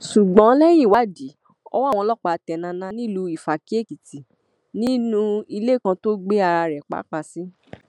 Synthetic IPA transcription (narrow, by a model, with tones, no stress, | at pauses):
ʃu˨ɡ͡bɔ̃˨˦lɛ˦j̃ĩ˦˨wa˨˦di˨˦ | ɔ̰˧˦wa˦˨w̃ɔ̃˧lɔ˦k͡pa˧˨tɛ˨nã˧nã˧˦nĩ˦lu˧i˨fa˨ki˦e˦˨ki˨ti˨ | nĩ˦nũ˧i˧le˦˨kã˧to˦ɡ͡be˦a˧ɾa˧ɾɛ˨k͡pa̰˨˦k͡pa˧˨si˦